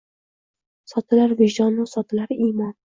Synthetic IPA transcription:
sɒt̪ʰɪlaɾvɪʒd̪ɒnʊsɒt̪ʰɪlaɾimɒn

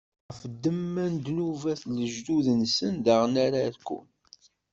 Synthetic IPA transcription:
fəd̪ːəmːænd̪luvæθləʒd̪uðənsənðaʁənaɾaðkːʊ̰n

